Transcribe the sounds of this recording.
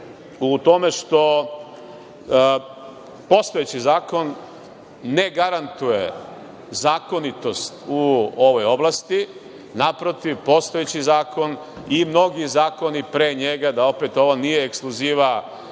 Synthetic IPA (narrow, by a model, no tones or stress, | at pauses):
ut̪o̞me̞ʃt̪o̞ | po̞st̪o̞jet͡ɕizaːko̞nː | e̞ɡaɾant̪uje | zaːko̞nit̪o̞st̪uo̞ʋo̞jo̞blast̪i | napɾo̞t̪iʋpo̞st̪o̞jet͡ɕizaːko̞n | imno̞ɡizaːko̞nipɾeɲe̞ɡad̪ao̞pet̪o̞ʋonijeːksklˠuziːʋa